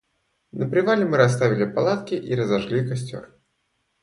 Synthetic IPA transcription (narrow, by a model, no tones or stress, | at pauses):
nəpɾʲɪvalʲɪmɨɾɐs̬t̪avʲɪlʲɪpalˠat̪kʲɪʔiɾəzɐʂlʲikasʲtʲo̰r